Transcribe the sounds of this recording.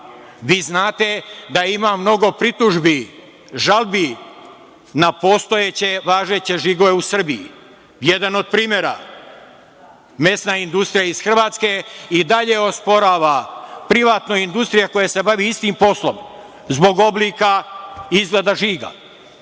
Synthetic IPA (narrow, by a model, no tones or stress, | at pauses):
ʋiːznaːt̪e̞d̪aimamno̞ɡo̞pɾit̪uʒbi | ʒalˠbi | napost̪o̞jet͡ɕe̞ʋaːʒe̞t͡ɕe̞ʒiɡo̞ʋe̞usr̩bijḭ | jed̪ano̞d̪̚pɾiːmʲje̞ɾa̰ | me̞snaind̪ust̪ɾijaiz̥xr̩ʋaːt̪ske̞id̪aʎe̞o̞spo̞ɾaːʋapɾiʋaːt̪no̞ind̪ust̪ɾijako̞jase̞baʋiist̪impo̞slˠo̞̰m | zbo̞ɡo̞blikaizɡled̪aʒiːɡa̰